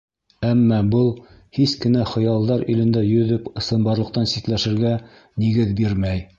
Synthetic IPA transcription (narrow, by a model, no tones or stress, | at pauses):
æmːæbɤlˠ | hiskɘ̆næχɤ̆jɑlˠd̪ɑɾilɘ̆nd̪æjɵ̆ðɵpɤ̆sɤ̆mbɑɾlˠɤ̆q̚t̪ɑnsit̪læʃɘ̆ɾɡæ | niɡɘðbiɾmæj